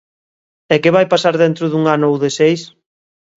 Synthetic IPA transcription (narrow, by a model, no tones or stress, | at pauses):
ɛkɪβajpasaɾðent̪ɾʊðuŋanʊowðesejs